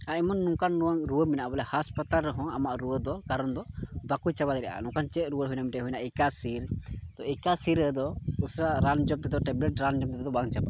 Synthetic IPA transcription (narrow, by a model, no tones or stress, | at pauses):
amɔnːɔ̃kanɾũwaŋɾuəminaʔbɔlɛhaspat̪alɾəɦɔ̃amaʔɾuwəd̪ɔkaɾɔnd̪ɔbakujt͡ʃabad̪ɾɛʔa̰nɔ̃kant͡ʃɛʔ̪̚ɾuəɽɦujnamiʈɛɦujnaʔikasiɾt̪ɔikasiɾəd̪ɔusɾaʔɾand͡ʒɔmt̪ɛd̪ɔʈɛblɛʈɾand͡ʒɔmt̪ɛd̪ɔbaŋt͡ʃaba